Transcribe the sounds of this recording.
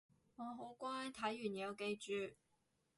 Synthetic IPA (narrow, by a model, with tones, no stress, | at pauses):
ŋɔ˨˧ɦo˨˥wkʷwa˥t̪ʰa˨˥jyː˨˩ni˨˧jɐ˨˧wke˥˧jt͡ʃyː˨˧˩